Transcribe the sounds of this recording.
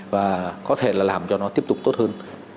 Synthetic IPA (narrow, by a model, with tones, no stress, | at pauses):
vaː˨˩kɔ˨˦t̪ʰe˧˩laː˨˩laː˨˩mt͡ɕɔ˧nɔ˨˦t̪i˦˥əp̚t̪ʊ˨˩k͡p̚t̪o˦˥t̚həː˧n